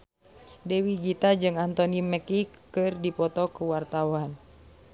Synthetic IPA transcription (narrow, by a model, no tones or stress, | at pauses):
dɛwiɡit̪ad͡ʒɨŋant̪ɔnimɛkikɨrdipɔt̪ɔkuwart̪awan